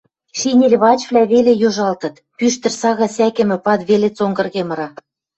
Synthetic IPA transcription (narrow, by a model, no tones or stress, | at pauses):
ʃinʲelʲβɑt͡ɕvlʲæβelejoʒɑlt̪ɤ̆t̪ | pyʃt̪ɘ̆rsɑɣɑsækɘ̆mɘ̆pɑt̪βelet͡soŋɡɤ̆rɣemɤ̆ɾɑ